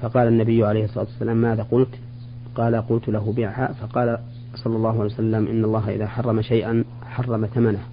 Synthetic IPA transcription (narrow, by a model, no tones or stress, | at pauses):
fɑqɑːlanːabɪjːʕalejhsˤːɑˤɑːt̪wasːalaːmːaːðaqʊlt̪ | qɑːlaqʊlt̪laɦʊbɪʕha̰fɑqɑːla | sˤɑlːɑlˤːɑːɦʊʕaljwasalːamʔɪ̰nːalˤːɑːɦaʔɪ̰ðaːħɑrˤːɑmaʃajʔan | ħɑrˤːɑmaθamanah